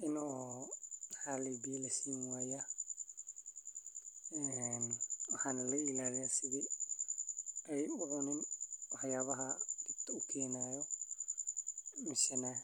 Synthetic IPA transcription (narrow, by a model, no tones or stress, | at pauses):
ʔɪnɔː | mħaːlɛjbɪjɐlɐsiːnwaːja | ɛnwɑħɑːnɐlɐɪlaːlɪjasɪɣi | ɛjʊʕʊnɪnwɑħjaːβɐɦɐɡɪb̚t̪ʰɐʊkʰɛːnaːjɔ | mɪʃɐnɐ